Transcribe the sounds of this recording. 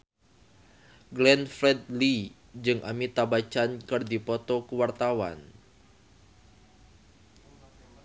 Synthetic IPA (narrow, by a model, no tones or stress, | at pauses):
ɡlɛnfɾɛd̪̚li | d͡ʒɨŋʔa̰mit̪abat͡ʃankɨrdipɔt̪ɔkəwart̪awa̰n